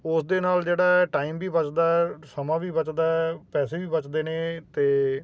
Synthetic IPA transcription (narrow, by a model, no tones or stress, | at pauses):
ʊsd̪eːnaːld͡ʒeːɽaːɛːʈaːiːmbiːbət͡ʃd̪aːɛsəmãːʋiːbət͡ʃd̪aːɛpɛːseːbiːbət͡ʃd̪eːneːt̪eː